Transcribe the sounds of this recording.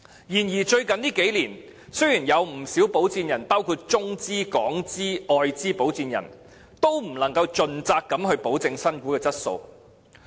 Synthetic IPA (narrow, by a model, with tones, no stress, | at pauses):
jiː˨˩njiː˨˩t͡ʃɵ˧ɥkɐ˨nliː˥ke˨˥jliː˨˩n | sɵ˥ɥjiː˨˩njɐ˨˧wm̩˨˩siː˨˥wpo˨˥wt͡siː˧njɐ˨˩npaː˥wkʰuː˧t̚t͡sʊ˥ŋt͡siː˥kɔː˨˥ŋt͡siː˥ʔɔː˧jt͡siː˥po˨˥wt͡siː˧njɐ̰˨˩n | t̪o˥wm̩˨˩lɐ˨˩ŋkɐ˧wt͡ʃɵ˧nt͡saː˧kːɐ˨˥mɦɵ˧ɥpo˨˥wt͡sɪ˧ŋsɐ˥nkuː˨˥kɛː˧t͡sɐ˥t̚so̰˧w